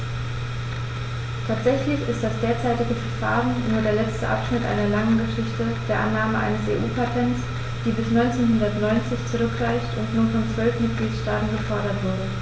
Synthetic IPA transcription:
tʰaːtz̥ɛçlɪçɪstd̥asd̥eːɐt͡saɪtɪɡəfɐɐfa̰ːʁənnuːɐdeːɐlɛt͡stəʔa̰pʃnɪtʔa̰ɪnɐlaŋənɡəʃɪçtəd̥eːɐʔanːaːməʔa̰ɪnəsḛːʔuːpʰatʰɛnts | d̥iːbɪsnɔʏnt͡seːnhʊndɐtnɔʏnt͡sɪçt͡suʁʏkʁ̥aɪçtʊntnuːɐnfɔnt͡sv̥œlfmɪt̚ɡ̥liːtʃtaːtn̩ɡəfɔɐɾɐtv̥ʊɐɾə

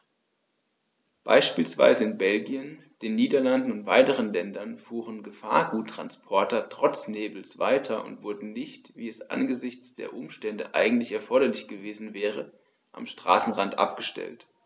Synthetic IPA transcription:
b̥a̰ɪʃpiːlsv̥a̰ɪzəɪnbɛlɡiən | d̥eːnːiːdɐlandn̩ʊntv̥aɪtəʁənlɛndɐnfuːʁənɡəfa̰ːɐɡuːtʰːʁ̥a̰nspʰɔɐtɐtʁ̥ɔt͡sneːbl̩sv̥a̰ɪtʰɐʔʊ̰ntv̥ʊɐdn̩nɪçtviːɛsʔa̰nɡəzɪçt͡sd̥ḛːɐʔʊmʃtɛndə̰ʔa̰ɪɡŋ̩tlɪçɛɐfɔɐɾɐlɪçɡ̥əveːzn̩vɛːʁə | ʔa̰mʃtʁ̥a̰ːsn̩ʁantʔa̰pɡ̥əʃtɛ̰lt

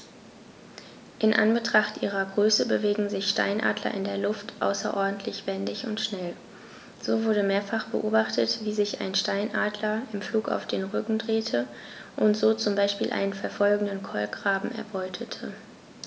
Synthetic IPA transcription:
ʔɪnʔa̰nbətʁ̥aχtʔiːʁ̞ɐɡʁøːsəbəveːɡŋ̩zɪçʃta̰ɪnʔa̰ːdlɐ̰ʔɪndeːɐlʊftʔa̰ʊsɐ̰ʔɔɐdn̩tʰlɪçv̥ɛndɪçʊntʃnɛl | z̥oːvʊɐɾəmeːɐfaχb̥ə̰ʔoːbaχtʰətv̥iːzɪça̰ɪnʃtaɪnʔaːdlɐɪmfluːka̰ʊfd̥eːnʁʏkŋ̩dʁeːtʰə | ʔʊntz̥oːt͡sʊmbaɪʃpiːlʔa̰ɪnənfɛɐfɔlɡŋ̩dənkʰɔlɡʁaːbm̩ɛ̰ɐbɔʏtʰətʰə

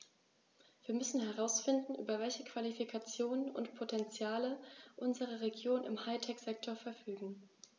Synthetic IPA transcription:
v̥iːɐmʏsn̩ɦɛʁ̞aʊsfɪndn̩ʔyːbɐvɛlçəkv̥alifikʰat͡sjoːnənʊ̰ntpʰotʰɛnt͡sjaːləʔʊnzəʁ̞əʁeɡjoːnɪ̰mhaɪtʰɛkz̥ɛktʰoːɐfɛɐfyːɡŋ̩

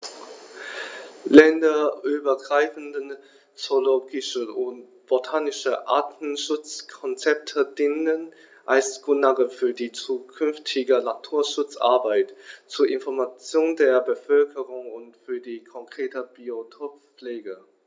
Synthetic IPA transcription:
lɛndɐʔyːbɐɡʁaɪfn̩dən | t͡soloːɡɪʃəʔʊnt | b̥otʰaːnɪʃəʔa̰ːtn̩ʃʊt͡skʰɔnt͡sɛp̚tʰədɪnən | ʔalsɡ̥ʁʊnaʁəfyːɐdiːt͡suːkʰʏnftʰɪɡənatʰuːɐʃʊt͡sʔa̰ɐbaɪtt͡suːɐʔɪnfɔɐmat͡sjoːndeːɐbəfœlkʰəʁʊŋʊntfyːɐdiːkʰɔŋkʁ̥eːtəb̥iotʰop | p͡fleːɡə

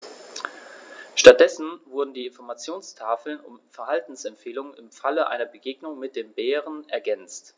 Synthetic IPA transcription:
ʃtat̚d̥ɛsn̩vʊɐdn̩diːɪnfɔɐmat͡sjoːnstʰaːfl̩nʊ̰mfɛɐɦaltn̩sɛmfeːlʊŋənɪmfaləʔa̰ɪnɐbəɡeːɡnʊŋmɪt̚d̥eːmbeːʁ̞ənɛɐɡɛnt͡st

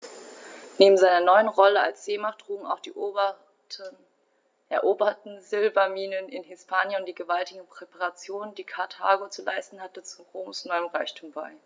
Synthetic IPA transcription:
neːbm̩zaɪnɐnɔʏənʁɔləa̰lsz̥eːmaχt̚d̥ʁ̥uːɡŋ̩a̰ʊχ | ʔɛɐʔoːbɐtn̩zɪlbɐmiːnənɪnɦɪspʰaːnjənʊntd̥iːɡəvaltɪɡŋ̩pʁ̥epaʁat͡sjoːnəndiːkʰaɐtʰa̰ːɡot͡sula̰ɪstn̩hatət͡suʁoːmsnɔʏəmʁaɪçtʰuːmba̰ɪ

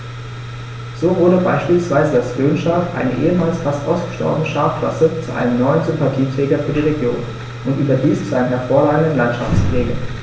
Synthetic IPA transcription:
z̥oːvʊɐdəbaɪʃpiːlsv̥aɪzəalsb̥øːnʃaːfʔa̰ɪnə̰ʔḛːəmaːlsfastʔaʊstə̥ʃtɔ̰ɐbənəʃaːfkl̥a̰sət͡suʔa̰ɪnəmnɔʏənzʏmpatʰiːtʁ̥ɛːɡɐfyːɐdiːʁeɡjo̰ːn | ʔʊntʔyːbɐdiːst͡suʔaɪnəmɦɛɐfoːɐʁaːɡŋ̩dən̩lantʃaft͡sfl̥eːɡə̰

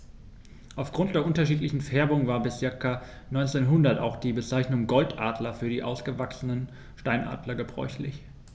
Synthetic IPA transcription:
ʔaʊfɡ̥ʁʊnt̚d̥eːɐʔʊntɐʃiːtlɪçn̩fɛɐbʊŋvaːɐbɪst͡sɪɐka | nɔʏnt͡seːnɦʊndɐta̰ʊxd̥iːbət͡saɪçnʊŋɡɔltʔa̰ːdlɐfyːɐdiːʔa̰ʊsɡ̥əvaksənən | ʃtaɪnʔa̰ːdlɐɡəbʁɔ̰ʏçlɪç

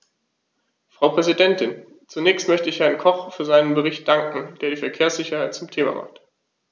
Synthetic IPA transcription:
fʁ̥aʊpʁ̥ɛzidɛntɪn | t͡sunɛːçstmœçtəɪçhɛɐnkʰɔχfyːɐzaɪnənbəʁ̞ɪçt̚d̥aŋkŋ̩d̥eːɐɾiːfɛɐkʰeːɐsz̥ɪçɐhaɪt̚t͡sʊmtʰeːma̰mʔa̰χt

